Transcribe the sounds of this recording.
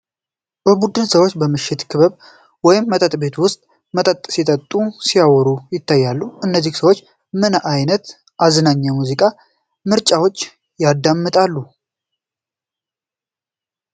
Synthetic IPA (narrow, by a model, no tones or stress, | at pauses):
bəbud̪ɨnsəwot͡ʃːbəmɨʃːɪt̪kʰɨβəβ | wɔjɪmːət̪ʼət̪ʼbe̞t̪wʊst̪ʼ | mət̪ʼət̪ʼsit̪ʼət̪ʼːusiawɔɾujɪt̪ʰːajːalːuɨnːəzːihsəwot͡ʃː | mɨnʔajnət̪ | ʔaznaɲːamuzikʼa | mɨɾt͡ʃʼawo̞t͡ʃː | jad̪ːamːɨt̪ʼalːu